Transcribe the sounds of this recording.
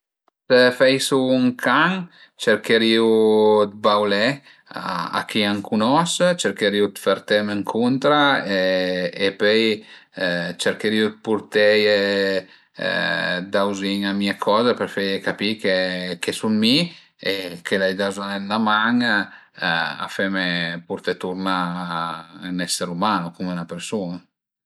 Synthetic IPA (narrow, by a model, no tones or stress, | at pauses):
sefɛjsuːŋkʰaŋ | t͡ʃɛɾkeɾiud̪̚bawlɛ | a̰a̰kiaŋkʰunɔst͡ʃɛɾkeɾiud̪faɾt̪ɛməŋkʰunt̪ɾaeepøj | t͡ʃɛɾkəɾiut̪̚puɾt̪ejḛ | d̪awziŋamiekʰɔːzepeɾfejekapikekesunmi | ekʰelajd̪azanɛnːamaŋ | a̰femepuɾt̪et̪uɾna | nɛsːeɾumaːnukumunapeɾsuna